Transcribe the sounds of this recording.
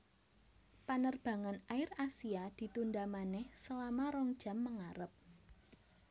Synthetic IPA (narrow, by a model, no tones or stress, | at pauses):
panərb̥ä̤ŋanaɪrasiad̪̥i̤t̪undamanɛhsəlamaɾɔŋd̥ʒ̥a̤mːəŋaɾəp̚